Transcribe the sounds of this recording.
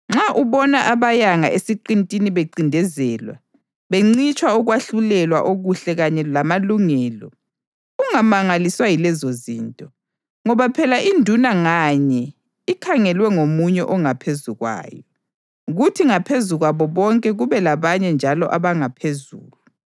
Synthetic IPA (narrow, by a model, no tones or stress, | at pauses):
ŋ͡ǁaʔuβɔnaʔaβajaŋaʔesiǃintʼiniβeǀindʱɛzɛːlwa̰ | βeŋ͡ǀit͡ʃʼwauɣwaɬulɛlwaʔoɣuɬɛɣaɲɛlamaluŋɛːlɔ | uŋamaŋaliswajilɛzozḭːntʼɔ | ŋɔβapʰɛlaʔindʱunaŋaɲɛ | ikʰaŋɛlwɛŋomuɲɛʔɔŋapʰezuɣwa̰ːjɔ | ɣutʰiŋapʰezuɣwaβɔβɔŋkʼɛɣuβɛlaβaɲɛnd͡ʒʱalɔ̰ʔaβaŋapʰezṵːlu